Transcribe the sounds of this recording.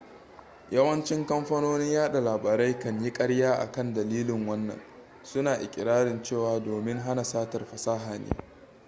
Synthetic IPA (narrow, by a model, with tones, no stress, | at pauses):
jɐ˦wɐ˦nt͡ʃɪ˦ŋkɐ˦mɸɐ˦noː˦nɪ˦ɲjaː˦ɗa˨laː˨baː˨ɾa˦jkɐ˨ɲji˦kʼɐ˦ɽjaː˦ʔa̰˨kɐ˦˨ndɐ˨liː˦lɪ˨ŋwɐ˦nːɐ̰˨n | sʊ˦naː˨ʔɪ̰˨kʲʼɪ˨ɾaː˦ɽɪ˨nt͡ʃeː˦˨waː˨doː˨mɪ˦ŋɦa˦na˨saː˦tɐ˨rɸɐ˨saː˦ɦaː˨nḛː˦